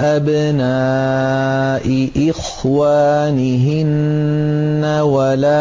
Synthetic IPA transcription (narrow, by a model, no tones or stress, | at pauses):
ʔabnaː | ʔɪʔɪx | waːnɪɦɪnː | awalaː